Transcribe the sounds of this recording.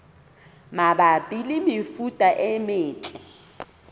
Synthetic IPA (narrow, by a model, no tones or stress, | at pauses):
mabapʼilɪmɪfutʼaʔɛmɪːt͡ɬʼɛ